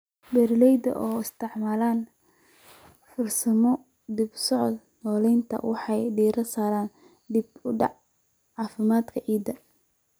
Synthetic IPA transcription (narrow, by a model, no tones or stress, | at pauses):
bɛɾlɛjd̪ɐ̰ʔɔːɪst̪ʰɪʕmaːlaːn | fʊrsɐmɔ | d̪ibsɔʕɔd̪ | nɔːlɛjnt̪ʰɐ̰wɑħɑjɖiːɾɐsaːɾaːn | d̪ibʊɖɑ̰ʕ | ʕɑːfɪmaːd̪kʰɐʕiːd̪ɐ